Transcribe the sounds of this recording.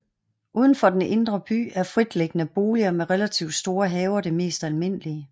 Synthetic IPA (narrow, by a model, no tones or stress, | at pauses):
ʔuːð̞ˠn̩fɒ̽d̥enʔe̝nd̥ʁɐb̥y̰ːæɐfʁid̥leɡ̥ənəb̥o̝ːliɐmeʁelæt͡sʰiʊd̥sd̥o̝ːɐɦɛːʊɐɾ̥e̝me̝̰ːsd̥ælme̝n̰əliə